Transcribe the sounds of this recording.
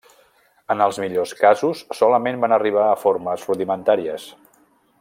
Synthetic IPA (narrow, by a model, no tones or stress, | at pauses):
ənəlˠzmiʎoskazusːɔləmembanəriβ̞aəfoɾməsruðimənt̪aɾiəs